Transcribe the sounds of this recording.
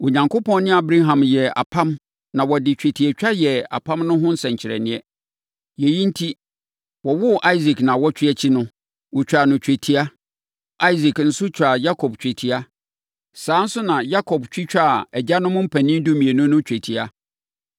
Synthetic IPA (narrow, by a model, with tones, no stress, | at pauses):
o˨ɲã˨ŋkʰʊ˦pʰɔ̃˦n˦nɪ̃˦a˨bɾa˦ɦã˨mjɛ˨a̰˨pʰã˦m | nã˨wɔ˨dɪ˨t͡ɕᶣæ˨tʰi˨ɛ˨t͡ɕᶣa˦jɛ˨a̰˨pʰã˦mnʊ̃˦ɦʊ̃˦n̩˦sɛ̃˨ɲt͡ɕʰɪ˨ɾɛ̰˨nɪ̃˦ɛ˦ | jɛ˨jĩ˦n̩˦tʰi˦ | wɔ˨wʊ˦ʔa˦i˦zi˨knã˨wɔ˦t͡ɕᶣɪ˦ɛ˨t͡ɕʰi˦nʊ̃˦ | wʊ˨t͡ɕᶣa˨nʊ̃˨t͡ɕᶣæ˨tʰi˦a˦ | ʔa˦i˦zi˨kn̩˨sʊ˦t͡ɕʰᶣa˨ja˦kʰɔ˨bt͡ɕᶣe˨tʰi˨˦a˦ | sãː˨˦n̩˦sʊ˦nã˨ja˦kʰɔ˨bt͡ɕᶣi˦t͡ɕᶣa˦˨ɛ˨d͡ʑa˦nʊ̃˦mʊ̃˦m̩˦pʰæ˨nɪ̃˦n˦du˦mĩ˨e˨nʊ̃˦nʊ̃˦t͡ɕᶣæ˨tʰi˨a˦